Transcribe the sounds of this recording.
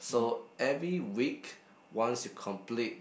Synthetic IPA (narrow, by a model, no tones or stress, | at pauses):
soɛvɹiwik | wɔ̃nstukʰɔ̃mplit̚